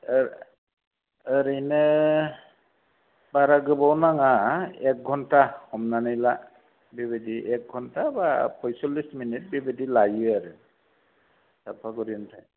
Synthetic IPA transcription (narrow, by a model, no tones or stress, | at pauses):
ɾɯjnɯ | baɾaɡɯbawnaŋaek̚ɡʱɔntahɔmnanɯjla | bibediʔɛk̚ɡʱɔntʰabapʰɔjsɔlːisminit̚bibidilajɯaɾɯ | sapʰaɡɔɾiɔntʰaj